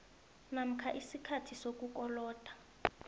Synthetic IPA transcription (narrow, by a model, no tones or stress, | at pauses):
nam̩kʰaʔisikʰatʰisok̬ʼuk̬ʼɔlɔːd̥ʱʼḁ